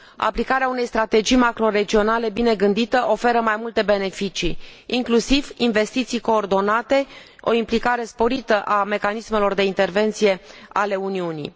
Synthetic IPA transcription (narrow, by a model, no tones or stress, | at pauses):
a̰plikaɾeaune̞jst̪ɾat̪e̞d͡ʒijmakɾo̞ɾe̞d͡ʒio̞nale̞bine̞ɡɨnd̪it̪əʔo̞fe̞ɾəmajmult̪e̞be̞ne̞fit͡ʃiːŋklusivinve̞st̪it̪sijko̞ːrd̪o̞nat̪e̞ | o̞̰implikaɾe̞spo̞ɾit̪əʔame̞kanisme̞lo̞rd̪e̞int̪e̞rve̞nt̪sije̞ale̞uniunḭ